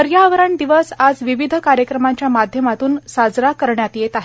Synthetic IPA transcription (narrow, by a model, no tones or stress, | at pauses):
əɾjaʋəɾaɳd̪iʋəsad͡zʋiʋid̪ʱəkaɾjəkɾəmaɲt͡ɕjamad̪ʱjəmat̪uːnsad͡zɾakəɾɳjat̪jet̪aɦe